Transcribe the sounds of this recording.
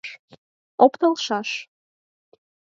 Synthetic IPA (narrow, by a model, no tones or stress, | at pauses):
ʃ | opt̪ɤ̆lˠʃɑʃ